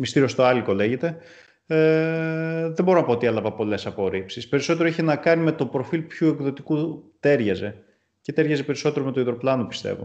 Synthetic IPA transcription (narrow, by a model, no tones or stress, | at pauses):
mist̪iɾio̞st̪o̞ɐliko̞leʝe̞t̪e̞ | ðembo̞ɾo̞nɐpoot̪ielɐvɐpo̞le̞sɐpo̞ɾipsispe̞ɾiso̞t̪̬eɾoeçenɐkɐnime̞t̪o̞pɾo̞filpçue̞kðo̞t̪ikut̪e̞ɾʝɐze̞ | ce̞t̪e̞ɾʝɐzepe̞ɾiso̞t̪e̞ɾo̞met̪oiðɾo̞plɐnopi̥st̪e̞̰vo̞̰